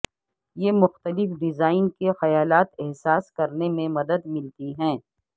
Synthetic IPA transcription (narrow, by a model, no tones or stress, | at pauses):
jemʊxt̪əlɪfɖɪzaːɪnkexɐjaːlaːt̪ɛɦsaːskɐɾnemẽmɐd̪əd̪mɪlt̪iɦɛ̃ː